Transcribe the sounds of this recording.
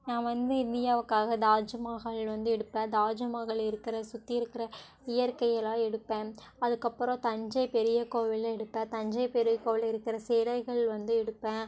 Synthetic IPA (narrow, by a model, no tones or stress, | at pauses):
nãːʋɐnd̪ɯɪnd̪ɪjaːʋɯkːaːɣɐd̪aːd͡ʒɐmaːɣɐɭʋɐnd̪ɯɛɽɯpːẽːd̪aːd͡ʒɐmaːɣɐɭɪɾɯkːɪɾɐsʊt̪ːɪɪɾɯkːɪɾɐ | ɪjɐɾkɐjɛlãːɛɽɯpːẽː | ɐðɯkːɐpːɯɾõt̪ɐɲd͡ʒɐɪpɛɾɪjɐkoːʋɪlɛɽɯpːẽːt̪ɐɲd͡ʒɐɪpɛɾɪjɐkoːʋɪlɪɾɯkːɪɾɐseːlɐɪɣɐɭʋɐnd̪ɯɛɽɯpːẽː